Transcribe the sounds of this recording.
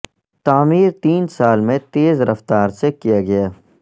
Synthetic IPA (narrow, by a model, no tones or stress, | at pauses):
t̪aːmiːɾt̪iːnsaːlmẽt̪eːzɾɐft̪aːɾsekijaɡɐjaː